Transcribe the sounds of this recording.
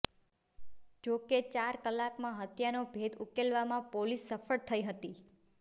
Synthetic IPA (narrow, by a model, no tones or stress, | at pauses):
d͡ʒoket͡ʃaɾkəlːakmãɦət̪janobʱed̪ukelʋamãpolisːəfəɭt̪ʰəiɦət̪i